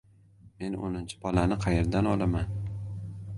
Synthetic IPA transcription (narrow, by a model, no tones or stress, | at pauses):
me̞no̰nɪnt͡ʃʰɪ̥bɒlanɪqʰɑjeɾd̪anɒlaman